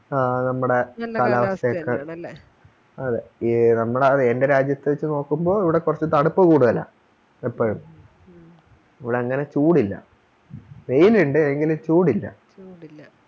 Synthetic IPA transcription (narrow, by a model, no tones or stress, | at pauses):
nɐmːuɽe̞kɐlɐaʋɐsɐɐkːɐ | ɐðeinɐmːuɽeɐðɨende̞ɾaːd͡ʑjɐt̪ːɨʋɐt͡ɕːɨno̞ːkːumbo̞ːiʋiɽe̞kurɐt͡ɕːɨt̪ɐɽupːɐkuːɽuðɐlɐ̰ | epːoːɻum | iʋiɽeːŋːɐne̞t͡ɕuːɽilːɐ̰ | ʋe̞jnuɳɖɨeŋɡilumt͡ɕuːɽilːɐ̰